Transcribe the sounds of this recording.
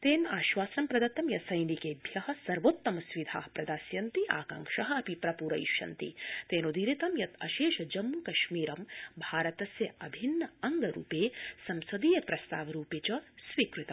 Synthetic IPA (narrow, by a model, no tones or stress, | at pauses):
t̪eːnaːʃʋaːsɐmpɾɐd̪ɐt̪ːɐmjɐsɐjnikeːb̪ʱjɐɦɐ̆sɐɾʋoːt̪ːɐmɐsʋid̪ʱaːɦɐpɾɐd̪aːsjɐnt̪iʔa̰ːkɐ̰ŋkʃɐɦɐ̆ɐpipɾɐpuːɾɐ̰jʃɐ̰nt̪ḭt̪eːnod̪iɾit̪ɐmjɐt̪ʰɐ̰ʃeːʃɐd͡ʒɐmːukɐʃmiːɾɐmbʱaːɾɐt̪ɐsjɐɐbʱinːɐɐŋɡɐɾṵːpeːsɐmsɐd̪iːjɐpɾɐst̪a̰ːʋɐɾuːpeːt͡ʃɐsʋiːkɾit̪ɐm